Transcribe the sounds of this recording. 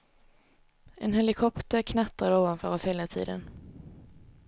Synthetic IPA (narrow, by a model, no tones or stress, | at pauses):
ʔɛnɦɛlɪkʰɔpt̪əɾkʰnat̪ːad̪oːvanfœːɾɔsheːlat̪ʰḭːd̪ə̰n